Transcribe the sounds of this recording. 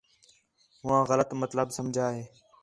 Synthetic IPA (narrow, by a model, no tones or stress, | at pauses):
ɦʊʋãːɣələt̪mət̪ləbsəmd͡ʒʱaːɦeː